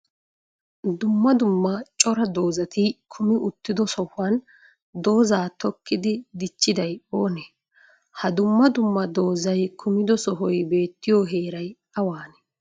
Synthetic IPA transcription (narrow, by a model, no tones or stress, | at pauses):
d̪ʊmːɐd̪ʊmːɐt͡ʃʼɔɾɐd̪o̞ːzɐt̪ɪkʰʊmɪʔʊt̪ːɪd̪ɔsɔhʊɐn | d̪o̞ːzaːt̪ɔkːɪd̪ɪd̪ɪt͡ʃːɪd̪ɐjo̞ːnɛ | hɐd̪ʊmːɐd̪ʊmːɐd̪o̞ːzɐjkʰʊmɪd̪ɔsɔɦɔjbe̞ːt̪ːɪjoːɦe̞ːɾɐj | ɐwaːnɛ